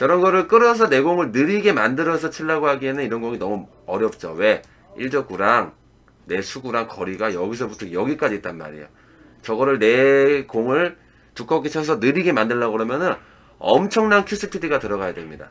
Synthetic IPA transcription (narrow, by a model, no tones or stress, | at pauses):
jʌɾʌnɡʌɾɯɭk͈ɯɾʌs̬ʰʌne̞ɡoŋɯɭnɯɾiɡe̞mandɯɾʌs̬ʰʌt͡ɕʰiɭːaɡoɦaɡienɯniɾʌnɡoŋinʌmu | ʌɾjʌp̚t͡ɕ͈owe̞ | iɭt͡ɕʌk̚k͈uɾaŋ | ne̞sʰuɡuɾaŋkʌɾiɡajʌɡis̬ʰʌbutʰʌjʌɡik͈ad͡ʑiːt̚t͈anma̰ɾḭjo̰ | t͡ɕʌɡʌɾɯɭne̞koŋɯɭ | tuk͈ʰʌk͈it͡ɕʰʌs̬ʰʌnɯɾiɡe̞mandɯɭːaɡɯɾʌmjʌnɯn | ʌmt͡ɕʰʌŋnankʰjus͈ʰɯtʰidiɡatɯɾʌɣajadwemɲida